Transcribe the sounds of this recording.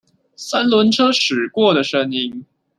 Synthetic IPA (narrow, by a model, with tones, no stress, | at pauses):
sa˥nlwə˧˥nʈ͡ʂʰɤ˥ʂɻ̩˨˩kwɔ˥˩d̪ə˩ʂə˥ŋi˥ŋ